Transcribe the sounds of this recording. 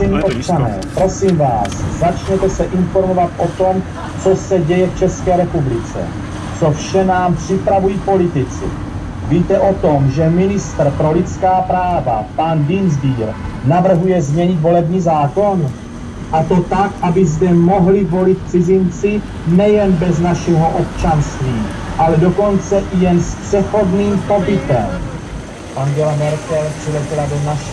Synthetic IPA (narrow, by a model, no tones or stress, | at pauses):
ɛɲiːʔop̚t͡ʃanɛ̰ːpɾo̞siːmvaːszat͡ʃɲɛt̪ɛsɛʔɪnfo̞ɾmo̞vat̪ʔot̪o̞m | t͡so̞sɛɟɛjɛft͡ʃɛskɛːɾɛpublɪt͡sɛ̰ | t͡sofʃɛnaːmpr̥ɪpɾavujiːpo̞lɪt̪ɪt͡sɪ̰ | viːt̪ɛʔo̞t̪omʒɛmɪnɪst̪r̩pɾo̞lɪt͡skaːpɾaːva̰pandinzbiːɾnavr̩ɦujɛzmɲɛɲɪt̪vo̞lɛbɲiːzaːko̞n | ʔat̪o̞t̪akʔabɪzdɛmo̞ɦlɪvo̞lɪt̪̚pt͡sɪzɪnt͡sɪ | nɛjɛnbɛznaʃɛɦo̞ʔopt͡ʃanst̪viː | ʔalɛdo̞ko̞nt͡sɛʔɪjɛnspr̥ɛxo̞dniːmpo̞bɪt̪ɛm | ʔaŋɡɛlamɛɾkɛlpr̥ɪlɛcɪladoznaʃɛ